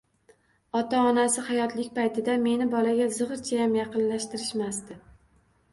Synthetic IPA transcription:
ɒt̪aɒnasɪhajɒt̪lɪkʲpajt̪ʰɪd̪ame̞nɪbɒlaɡʲazɨʁɾt͡ʃʰajamjɑqɨnlaʃt̪ɪɾɪʃmast̪ɪ

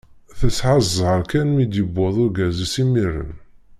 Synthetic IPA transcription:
θəsːʕazʁəɾkænmid̪jəbːoðˤʊɾɡæzisimirə̰n

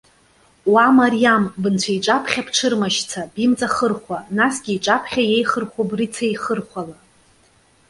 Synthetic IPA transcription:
wamarijambɨnt͡ɕʷʰaiʈ͡ʂʼapʰχʲapʰʈ͡ʂʰɨrmaʃt͡sʰabimt͡sʼaχərχʷanasɡʲiːʈ͡ʂʼapʰχʲajejχərχʷobrit͡sʰaiχərχʷala

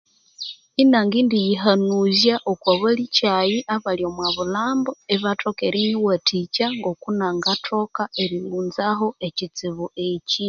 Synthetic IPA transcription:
inaŋɡiːndijiɦanuzjaʔokwaβalicajiʔaβaljo̞mwaβulaːmboeβatʰokeɾiniwatʰicaŋɡo̞kunaŋɡatʰo̞kaeɾiluːnzaɦo̞ecit͡siβueci

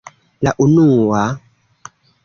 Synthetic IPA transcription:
la̰ʔunuːwa

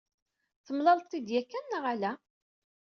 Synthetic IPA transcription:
θəmlɑlˤt̪ˤːid̪jækːænːəʁalæ

